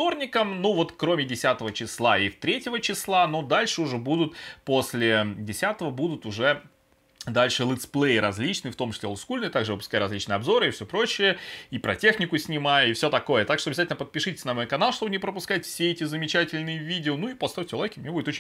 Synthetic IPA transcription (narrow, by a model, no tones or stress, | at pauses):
t̪o̞rnʲɪkəmnuvo̞t̪kɾomʲɪdʲɪsʲat̪əvət͡ɕɪslˠaift̪ɾʲetʲɪvət͡ɕɪslˠanod̪alʲʂɨʊʐɛbud̪ʊt̪posʲlʲɪdʲɪsʲat̪əvəbud̪ʊt̪ʊʐɛ | d̪alʲʂɨlˠɨt̪splˠejɾɐzʲlʲit͡ɕnɨft̪o̞mt͡ɕɪ̥slʲelˠskulʲnɨjt̪aɡʐɨvɨp̬ʊskajɪɾɐzʲlʲit͡ɕnɨjɐbzo̞ɾɨifsʲopɾo̞ɕɪjəipɾɐtʲe̞xnʲɪkʊsʲnʲɪmajəifsʲo̞t̪ɐko̞jət̪akʂt̪oɐbʲɪzatʲɪlʲnəpət̪̚pʲɪʂɨtʲɪ̥sʲnəmojkɐnalˠʂt̪o̞bɨnʲɪpɾəpʊskajɪt̪ʲfsʲeɛtʲɪzəmʲɪt͡ɕætʲɪlʲnɨjəvʲidʲɪonuipɐst̪afʲt͡ɕɪlˠɐvʲekʲɪmnʲebudʲɪt̪ot͡ɕ